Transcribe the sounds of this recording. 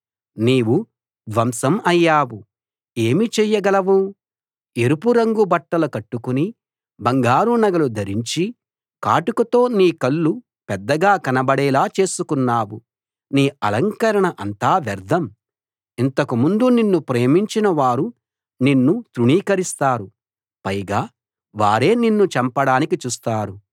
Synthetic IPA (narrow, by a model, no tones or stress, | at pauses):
niːwu | d̪ʋɐmsɐmɐjːaːwu | e̞ːmit͡ʃɛjːɐɡɐlɐʋu | e̞ɾupuɾɐŋɡubɐʈːɐlɐkɐʈːukuni | bɐŋɡaːɾunɐɡɐlud̪ʱɐɾiɲt͡ʃi | ka̰ːʈukɐt̪o̞ːniːkɐɭːu | pɛd̪ːɐɡaːkɐnɐbɐɽɛːlaːt͡ʃe̞ːsukunːaːwu | niːɐlɐŋkɐɾɐɳɐʔɐnt̪aːʋɐɾd̪ʱɐm | int̪ɐkumund̪uninːupɾe̞ːmiɲt͡ʃinɐʋaːɾu | ninːut̪ɾuɳiːkɐɾist̪aːɾu | pɐjɡaː | ʋaːɾe̞ːninːut͡ʃɐmpɐɽaːnikit͡ʃuːst̪aːɾu